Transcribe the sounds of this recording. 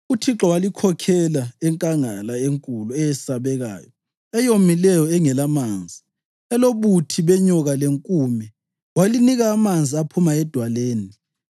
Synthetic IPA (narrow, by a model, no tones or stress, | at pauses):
utʰiǁɔwalikʰɔkʰɛlaɛŋkʼaŋalaeŋkʼuluɛjɛsaβɛɣa̰ːjɔ | ɛjomilɛjɔɛŋɛlamaːnd͡zʱi | ɛloβutʰiβɛɲɔɣaleŋkʼuːmɛ | waliniɣaːmand͡zʱiapʰumaɛd̥ʱwaleːni